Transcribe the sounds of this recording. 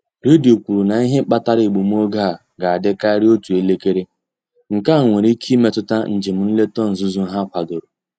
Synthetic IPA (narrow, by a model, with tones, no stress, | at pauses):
ɾi˦di˨o˨kʷu˨ɾu˨na˨i˦ɦe˦k͡pa˦ta˦ɾi˨ɡ͡bu˨m˦o˦ɡa˦˨ | ɡa˨a˨dɪ˦ka˦ɾi˦o˦tu˨e˦le˦ke˦ɾe˦ | ŋ̩˨ka˦˨ŋʷe˨ɾi˦kʰi˦me˦tʊ˦ta˦n̩˨d͡ʒɪ˨m̩˨n̩˦le˦tɔ˦n̩˨zu˦zu˦ɦa˦kʷa˨do˨ɾo˨